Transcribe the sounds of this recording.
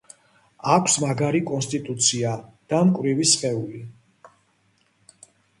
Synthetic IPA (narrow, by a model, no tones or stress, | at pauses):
akʷʰsmaɡaɾikʼɔnst̪ʼit̪ʼut̪sʰiad̪̥amkʼɾivisχɛuli